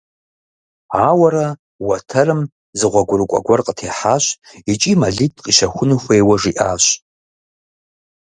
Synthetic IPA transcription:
awaɾa | watʰɐrɨm | zɨʁʷaɡʷʊrkʷʼa̰ɡʷarqʼətʰeħaʃʷ | it͡ʃʼimaɮitʼqʼiʃaxʷʊnɨxʷejwaʐiʔaʃʷ

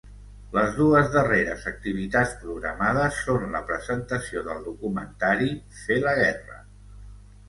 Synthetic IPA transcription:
ləzðuəzðəreɾə̰zək̚t̪iβ̞it̪at͡spɾuɣɾəmað̞əsːonləpɾəzənt̪əsioðəlˠd̪ukumənt̪aɾi | feləɣ̞ɛrə̰

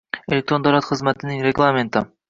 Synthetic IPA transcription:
elʲek̚t̪ɾond̪ɑɾɑt̪χɨzmæt̪ʰɪnɪŋɾeɡlˠament̪ɪ̰

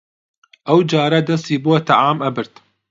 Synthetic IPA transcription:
ʔawd͡ʒaːɾˤad̪asˤiːbuat̪aʕaːmʔabɪɾt̪

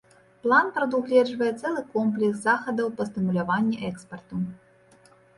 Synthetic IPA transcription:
plˠanpɾɐd̪uɣlʲɛd͡ʐvɐjɛt̪sɛlˠɨkɔmplʲɛkszaxɐd̪ɐwpɐst̪ɨmulʲavanʲːɛʔɛkspɐrt̪u

